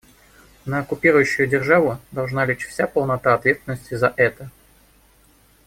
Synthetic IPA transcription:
nəɐkʊpʲiɾʊjʊɕːʊjʊdʲɪrʐavʊd̪ɐlˠʐnalʲet͡ɕfsʲapəlˠnɐt̪aɐt̪vʲe̞t̪st̪vʲɪnːəsʲtʲɪzɐʔɛt̪ə

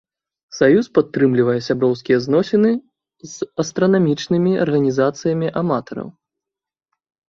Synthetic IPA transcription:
sajuspat̪ːɾɨmlʲivɐjɛsʲabɾɔwskʲijɛznɔsʲinɨ | zɐst̪ɾɐnamʲit͡ʂnɨmʲiɐ̰rɣɐnʲizat̪sɨjɐmʲiʔamat̪ɐɾɐ̰w

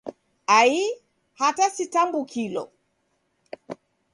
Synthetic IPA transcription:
ai | hatasitamɡukʰilɔ̰

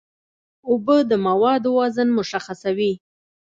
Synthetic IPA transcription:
ʊbəd̪əmawɑd̪wɑzənmʊʃaxasawi

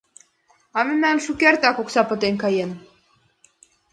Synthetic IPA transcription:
ɑmenænʃukʲeɾt̪ɑkoksɑpə̆t̪eŋkɑjen

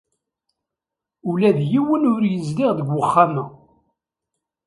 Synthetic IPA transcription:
ulæðjiwənʊɾjəzliʁðəɡwəχːamæ

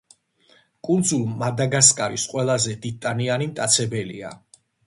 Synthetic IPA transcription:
kʼund̪zulˠmad̪aɡaskʼaɾisqʼwɛlˠazɛd̪it̪ʼanianimt̪ʼat̪sʰɛbɛlḭa̰

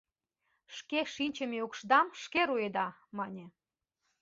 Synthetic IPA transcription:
ʃkeʃinʲt͡ɕemeukʃd̪ɑmʃkeɾued̪ɑmɑnʲe

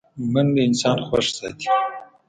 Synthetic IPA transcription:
mənləɪnsɑːnxwa̰ʂsɑ̰t̪i̥

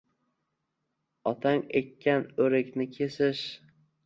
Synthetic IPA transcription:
ɒt̪ʰaŋekʲːanɵɾɪkʲnɪkʲʰe̞sɪʃ

